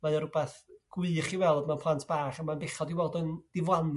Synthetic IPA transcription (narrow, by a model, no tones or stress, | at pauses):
maðɔɾʊbɛθɡ̥wɨχiwɛlˠdmanpʰlˠantʰb̥aːχamanbɪχɔdiwɔlˠdənd̥ɪvlˠan